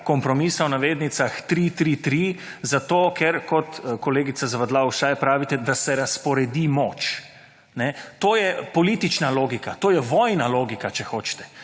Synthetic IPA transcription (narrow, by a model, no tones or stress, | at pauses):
kɔmpɾɔmisawnaʋeːd̪nit̪saxt̪ɾit̪ɾit̪ɾi | zat̪oːkɛɾkɔt̪kɔleːɡit̪sazaʋad̪lawʃajpɾaːʋit̪ɛd̪asɛɾaspɔɾɛd̪imoːt͡ʃ | nɛt̪oːjɛpɔlit̪it͡ʃnaloːɡikat̪oːjɛʋɔːjnaloːɡikat͡ʃɛxoːt͡ʃt̪ɛ̥